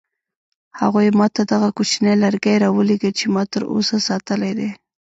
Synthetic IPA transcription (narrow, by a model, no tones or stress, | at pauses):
haɣojmɑt̪ad̪aɣakut͡ʃnelaɾɡajɾɑwəleɡət͡ʃemɑt̪əɾo̰sasɑt̪əlajd̪e